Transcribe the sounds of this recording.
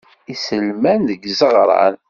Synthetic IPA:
isəlmænðəɡzəʁɾˤɑ̰n

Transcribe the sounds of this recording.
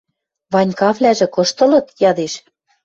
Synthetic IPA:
βɑnʲkɑβlʲæʒĕkɤ̆ʃt̪ɤ̆lɤ̆t̪jɑd̪eʃ

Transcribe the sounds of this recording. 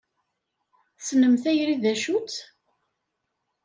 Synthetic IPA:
snəmθæjɾiðæʃut͡s

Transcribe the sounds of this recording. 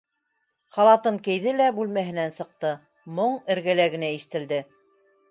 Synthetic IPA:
χɑlˠɑt̪ɤɴkɘ̆jðɘlæbʉlmæɦɘ̆nænsɤ̆q̚t̪ɤ | moɴɘ̆ɾɡælæɡɘ̆næiʃɘ̥̆t̪ɘ̆ld̪ɘ

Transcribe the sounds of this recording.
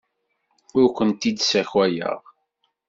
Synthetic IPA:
ʊɾkʷənt̪id̪sæçwæjə̰ʁ

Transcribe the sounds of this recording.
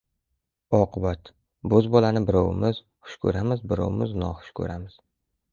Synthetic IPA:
ɒqʰɨbat̪ | bɵzbɒlanɪbɪɾɒwɪ̰mɪz̥ | χʊ̥ʃkʰɵ̰ɾamɪzbɪɾɒ̰wɪmɪznɒ̰χʊ̥ʃkʰɵ̰ɾamɪz̥

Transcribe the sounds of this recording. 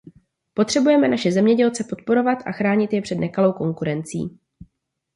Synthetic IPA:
po̞t̪r̥ɛbujɛmɛnaʃɛzɛmɲɛɟɛlt͡sɛpo̞t̪̚po̞ɾo̞vat̪ʔa̰xɾaːɲɪt̪jɛpr̝̥ɛdnɛkalo̞wko̞ŋkuɾɛnt͡sḭː

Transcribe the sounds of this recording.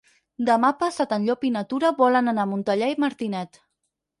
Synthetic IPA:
d̪əmapasat̪ənʎopinat̪uɾəβɔlənanamunt̪əʎaiməɾt̪inɛt̪

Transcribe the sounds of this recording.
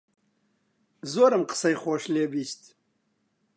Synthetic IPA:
zoːɾəmqə̥sɐjχoːʂleːbiːst̪

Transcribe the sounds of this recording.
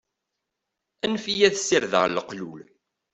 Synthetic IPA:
ænfijæθsːiɾðə̰ʁləqlul

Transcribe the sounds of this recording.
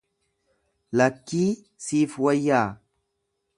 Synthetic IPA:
lakːi | sifwajːa

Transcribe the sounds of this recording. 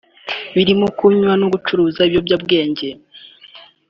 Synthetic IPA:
βiɾimukuɲwanoɡut͡ʃuɾuːzaibjo̞bɟab̚ɡe̞ːɲɟe̞

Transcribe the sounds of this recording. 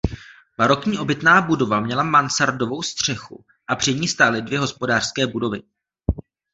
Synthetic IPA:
baɾo̞kɲiːʔo̞bɪt̪naːbudo̞vamɲɛlamansaɾdo̞vo̞wst̪r̝̥ɛxṵ | ʔapr̝̥ɪɲiːst̪alɪdvjɛɦo̞spo̞daːr̝̥skɛːbudo̞vɪ

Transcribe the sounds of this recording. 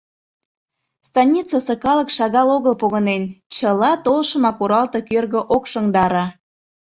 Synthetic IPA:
st̪ɑnʲit͡səsɤkɑlə̆kʃɑɣɑloɣəlpoɣənent͡ɕəlɑt̪olʃəmɑkuɾɑlt̪ɤkørɣə̆ʔokʃəŋd̪ɑɾɑ

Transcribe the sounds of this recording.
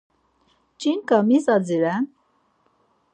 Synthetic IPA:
t͡ʃʼinkamisad͡ziɾɛn

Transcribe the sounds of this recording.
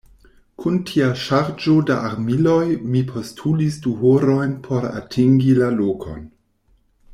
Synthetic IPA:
kʰuntʰiaʃaɾd͡ʒodaʔaɾmilojmipʰo̞stʰulisduɦoɾo̞jnpʰo̞ɾa̰tʰiŋɡilalokʰo̰n

